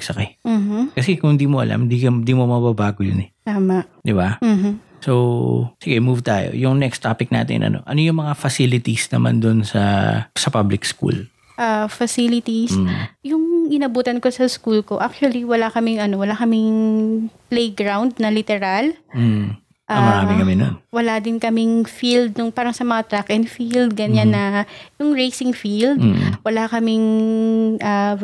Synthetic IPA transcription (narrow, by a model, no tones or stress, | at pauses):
sɐkɛm̩ːh̩kɐsɛkʊŋnd̪iːmoʔɐ̰lʔa̰md̪iːkɐd̪iːmomɐbabaːɡojʊnɛt̪aːmɐʔd̪ɪbam̩ːm̩ | sowsɪɡɛmuvt̪aːjo̰jʊŋnɛkst̪aːpɪk̚na̰ːt̪ɪ̰nʔɐ̰no̞̰ʔɐnojʊŋmɐŋafɐsilɪt̪isnɐma̰nd̪ʊnsɐ̰sɐpablɪkskṵl | ʔɐfɐsilɪt̪isjʊŋʔɪnɐbuːt̪ɐnko̞sɐskuːlko̞ʔak̚t͡ʃwɐliwɐlakɐmɪŋɐno̞wɐlakɐmɪŋ | plejɡɹawnd̪̚nɐlɪt̪ɛɾalm̩ | ʔamɐɾaːɪkɐmɪno̰nwɐlad̪ɪnkɐmɪŋfild̪̚nʊŋpaːɾɐŋsɐmɐŋat̪ɾakʔɛnfild̪̚ɡɐɲanːɐjʊŋɹejsɪŋfild̪̚wɐlakɐmɪŋ | ʔɐ